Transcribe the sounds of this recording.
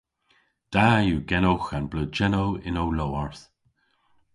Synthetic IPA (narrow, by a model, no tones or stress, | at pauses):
d̪̥ajuːɡɛnowxanblud͡ʒɛnowɪnowlowaɹθ